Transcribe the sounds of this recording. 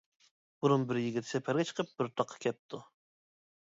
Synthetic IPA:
buɾunbɪɾjiɡʲit̪ʰːɪsɛpʰɛɾɡʲɛt͡ʃʰə̥qʰəp̚bɪɾt̪ʰɑqʰːɑ̥kʲʰɛp̚t̪ʰu

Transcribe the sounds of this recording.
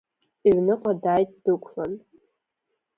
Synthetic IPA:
iʕnɨqʼadaːjtʼd̥ɨkʷʰlan

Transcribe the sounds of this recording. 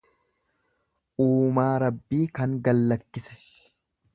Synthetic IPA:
ʔuːmaːɾɐbːiːkɐŋɡɐlːɐkːɪsɛ̥

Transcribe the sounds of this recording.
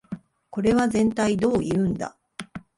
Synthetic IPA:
ko̞ɾe̞βazẽ̞nt̪aid̪o̞ːiɯ̟̃nd̪a̰

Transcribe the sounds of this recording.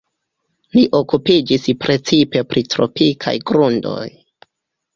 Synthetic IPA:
liʔo̞kupid͡ʒispɾe̞t͡sipe̞pɾitɾo̞̰pikʰa̰jɡɾundo̞̰j

